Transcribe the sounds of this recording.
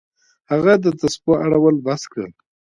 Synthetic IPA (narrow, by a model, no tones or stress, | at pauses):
haɣad̪ət̪aspoʔaɽawəlbaskɽə̰